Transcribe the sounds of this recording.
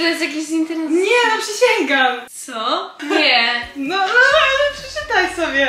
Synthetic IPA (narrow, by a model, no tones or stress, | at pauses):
ɔjɛst̪ʲjak̬ʲiɕint̪ɛɾɛɲɛnɔpʂɛɕɛŋɡamt̪sɔɛnɔnɔnɛpʂɛt͡ʂɨt̪ajsɔbʲɛ